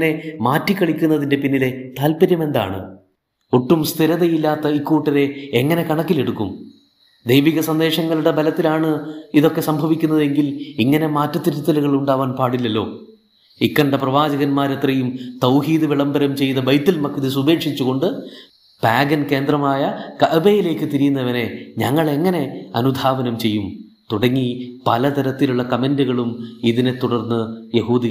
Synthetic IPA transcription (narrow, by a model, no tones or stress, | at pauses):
ne̞maːtːikːɐɭikʲːunːɐðinde̞pinːile̞t̪aːlpɐɾjɐme̞nd̪a̰ːɳɨ̰ | oʈːumst̪ʰiɾɐðɐjilːaːt̪ːɐikːuːʈːɐɾe̞eŋːɐne̞kɐɳɐkːile̞ɽukːum | d̪ejʋiɣɐsɐnd̪e̞ːʂɐŋːɐɭuɽe̞bɐlɐt̪ːilaːɳɨiðo̞kːe̞sɐmbʱɐʋikʲːun̪ːɐðe̞ŋɡiliŋːɐne̞maːtːɐt̪ːiɾut̪ːɐluɣɐɭuɳɖaːʋaːnpaːɽilːɐlːo̞̰ː | ikːɐɳɖɐprɐʋaːd͡ʑɐɣɐnmaːɾet̪rɐjumt̪ɐwhiːðɨʋiɭɐmbɐɾɐmt͡ɕe̞jnɐbɐjt̪ːilmɐkːiðɨsubʱe̞ːkʂit͡ɕːuɣo̞ɳɖɨ | paːɡɐnke̞ːnd̪rɐmaːjɐkɐʔɐbejile̞ːkːɨt̪iɾijunːɐʋɐne̞ɲɐŋːɐɭe̞ŋːɐne̞ɐ̰nud̪ʱaːʋɐnɐmt͡ɕe̞jːum | t̪uɽɐŋːipɐlɐt̪ɐɾɐt̪ːiluɭːɐkɐmenduɣɐɭumiðinet̪ːuɽɐrnːɨjehuːd̪i